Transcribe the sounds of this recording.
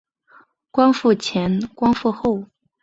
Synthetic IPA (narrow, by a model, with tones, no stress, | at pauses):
kwɑ˥nfu˥˩t͡ɕʰjɛ˧˥nkwɑ˥nfu˥˧xo˥˩ʊ